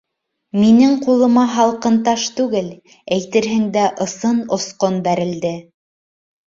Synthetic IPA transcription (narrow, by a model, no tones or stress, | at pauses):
minɘŋqulˠɤ̆mɑɦɑlˠqɤ̆nt̪ɑʃt̪ʉɡɘl | æjt̪ɘ̆ɾɦɘ̆ŋd̪æʔɤ̆sɤnŏsqonbæɾɘ̆ld̪ɘ